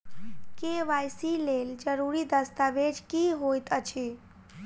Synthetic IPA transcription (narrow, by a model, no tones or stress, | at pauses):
keʋajsileld͡ʒəɾuɾid̪əst̪aʋed͡ʒkiɦojt̪ət͡ʃʰi